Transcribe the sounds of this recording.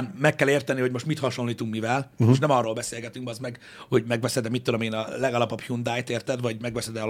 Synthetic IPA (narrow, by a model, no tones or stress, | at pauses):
nmɛkːɛleːrt̪ɛniho̞ɟmo̞ʃt̪mit̪hɒʃo̞nliːt̪uŋkmivɛleʃ̬nɛmɒrːoːlbɛseːlɡɛt̪yŋkbɒzmɛɡ | ho̞ɟmɛɡʋɛsɛd̪ɛmit̪ːud̪o̞meːnɒlɛɡɒlɒpɒphund̪aːjt̪eːrt̪ɛd̪vɒɟmɛɡʋɛsɛd̪ɛ